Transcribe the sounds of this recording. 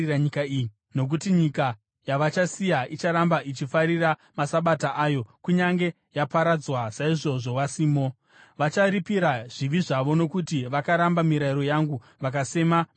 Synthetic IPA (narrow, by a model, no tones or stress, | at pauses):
aɲikai | no̞k̬utiɲika | jaʋat͡ʃasijait͡ʃaɾambait͡ʃifaɾira | masaɓataʔajo̞kuɲaŋɡe̞ | japaɾad͡zwasaiʐo̞ʐo̞ʋasiːmo̞ | ʋat͡ʃaɾipiɾaʐ̥iʋiʐaʋo̞no̞kutiʋakaɾambamiɾaiɾo̞jaŋɡu | ʋakase̞ma